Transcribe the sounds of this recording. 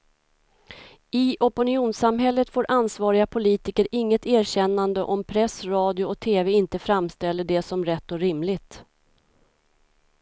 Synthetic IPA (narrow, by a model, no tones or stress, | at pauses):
ɪʔɔpʊnɪuːnsamɦɛlːət̪foːɾʔansvɑːɾɪɡapʰʊliːt̪ɪkəɾɪŋːət̪æːɾɕɛnːand̪əʔɔmpʰɾɛsɾɑːd̪jʊɔk̚t̪ʰeːvɛɪnt̪əfɾamst̪ɛlːəɖɛsɔmɾɛt̪ːɔɾɪmlɪt̪